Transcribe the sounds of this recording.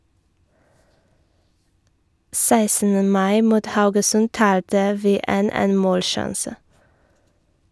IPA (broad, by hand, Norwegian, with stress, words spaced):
ˈsæɪsn̩ə ˈmɑɪ ˈmuːt ˈhɑʉɡəsʉn ˈtɑːltə ˈʋiː ˈeːn ˈeːn ˈmoːlˌʃɑnsə